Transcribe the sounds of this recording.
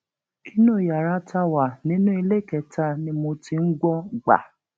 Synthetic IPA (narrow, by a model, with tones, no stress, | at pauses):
ki˦nũ˦˨ja˨ɾa˦tʰa˧wa˨nĩ˨˦nũ˦i˧le˦˨kɛ˧˨ta˦nĩ˧˦mo˧ti˧ŋ̩˦ɡɔ˦ɡ͡ba̰˨